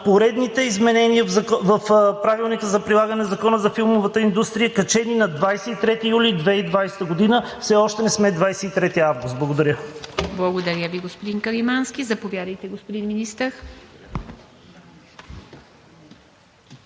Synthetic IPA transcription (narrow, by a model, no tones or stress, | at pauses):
poɾɛd̪nit̪ɛizmɛnɛniəɐvəfpɾavilˠnikəzɐpɾilˠaɡənɛnzɐkɔnəzɐfilˠmovət̪əind̪ust̪ɾijəkɐt͡ʃɛninɐd̪vajsɛit̪ɾɛt̪ijulʲid̪vɛid̪vajsɛ̥t̪əɡod̪inəfsɛɔʃt̪ɛnɛsmɛd̪vajsɛit̪ɾɛt̪iavɡust̪̚blˠɡod̪ɐɾʲəblˠɐɡod̪ɐɾʲəviɡospod̪inkəɾimansk̟izɐpovjad̪əjt̪ɛɡospod̪inminist̪əɾ